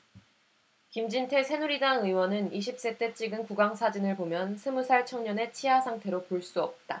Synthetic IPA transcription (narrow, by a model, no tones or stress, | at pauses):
kimd͡ʑintʰe̞sʰe̞nuɾidaŋɯiwʌnɯniɕʰip̚s͈e̞t͈e̞t͡ɕʰiɡɯnkuɡaŋsʰad͡ʑinɯɭpomjʌnsʰɯmusʰaɭt͡ɕʰʌŋɲʌne̞t͡ɕʰiɦasʰaŋtʰe̞ɾopoɭs͈uʌp̚t͈a